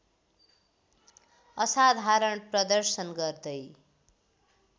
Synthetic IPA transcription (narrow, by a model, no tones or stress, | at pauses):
ʌsad̪ʱaɾʌɳprʌd̪ʌrsʌnɡʌrd̪ʌj